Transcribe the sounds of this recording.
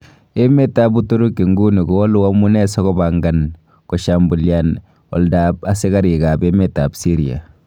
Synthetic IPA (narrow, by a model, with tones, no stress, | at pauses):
e˦me˦ta˦bu˦to˦ɾu˦kːi˨ŋɡu˦ni˨ɡo˨˦ɔ˦lu˦a˦mu˦nɛ˦sɔ˦kɔ˦ba˨ŋɡa˦n | kɔ˨ʃa˨mbu˨lja˨n | ɔ̰˨lda˨pa˦se˦ka˦ɾi˨ka˨be˦me˦ta˨psi˦ɾia̰˨